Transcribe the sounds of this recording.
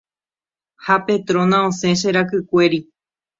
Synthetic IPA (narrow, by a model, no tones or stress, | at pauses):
hape̞t̪ɾõ̞nãõsẽ̞ʃ̬eɾakɨkʷe̞ɾi